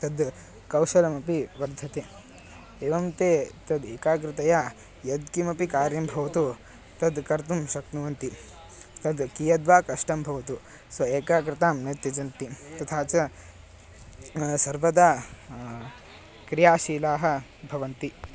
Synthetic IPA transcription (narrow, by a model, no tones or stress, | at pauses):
t̪ɐd̪ | kɐwʃɐlɐmɐpiʋɐɾd̪ʱːɐt̪eː | eːʋɐmt̪eːt̪ɐd̪eːkaːk̬ɾɪt̪ɐjaː | jɐd̪̚kimɐpikaːɾjɐmbʱɐʋɐt̪u | t̪ɐd̪kɐɾt̪umʃɐknuʋɐnt̪i | t̪ɐd̪kijɐd̪ʋaːkɐʂʈɐmbʱɐʋɐt̪u | sʋɐeːkaːkɾɪt̪aːmnɐt̪jɐt͡ʃɐnt̪it̪ɐt̪ʰaːt͡ʃɐ | sɐɾʋɐd̪aː | kɾijaːʃiːlaːɦɐ̆bʱɐʋɐnt̪i